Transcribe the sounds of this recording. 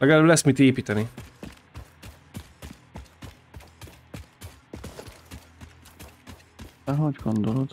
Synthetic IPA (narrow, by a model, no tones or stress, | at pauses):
lɛɡɛlaːblɛsmit̪eːpiːt̪ɛni | ɛɦoɟɡond̪olɦot̪